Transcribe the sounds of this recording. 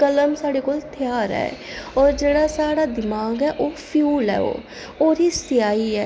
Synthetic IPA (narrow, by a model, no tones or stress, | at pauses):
kələmsaːɽeːkoːlt̪ʰɪjaːɾɛ̰ːɔːɾd͡ʒeːɽaːsaːɽaːd̪ɪmaːɡɛːʔoːpʰjuːlɛ̰ːo̰ː | oːɾiːsɪjaːiːɛː